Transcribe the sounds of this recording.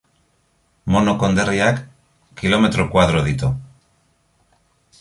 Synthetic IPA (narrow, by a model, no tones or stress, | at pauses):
mo̞nokond̪eriakː | ilo̞me̞t̪ɾokwað̞ɾoð̞it̪u